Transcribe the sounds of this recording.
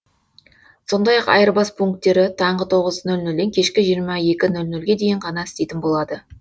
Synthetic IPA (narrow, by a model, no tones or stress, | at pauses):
so̞nd̪ɑjɑqɑ̰jəɾbɑspʰuŋk̚t̪ːe̞ɾɪt̪ʰɑɴʁət̪ʰo̞ʁəznɵlnɵld̪e̞ŋkʲʰe̞ʃkʲɪʒijəɾmɑje̞kʲɪnɵlnɵlɡʲe̞d̪e̞jɪɴqʰɑnɑɪst̪e̞jt̪ɪnbo̞lˠɑd̪ə